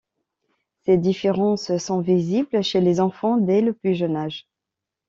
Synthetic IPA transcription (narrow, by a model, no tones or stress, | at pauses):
sed̪ifeʁɑ̃ssɔ̃viziblʃelezɑ̃fɑ̃d̪ɛləplyʒənaʒ